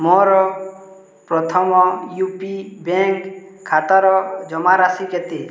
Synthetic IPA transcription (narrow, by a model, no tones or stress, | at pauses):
mɔɾɔ | pɾɔt̪ʰɔmɔjupibeŋkʰːat̪aɾɔd͡ʒɔmaɾasiket̪i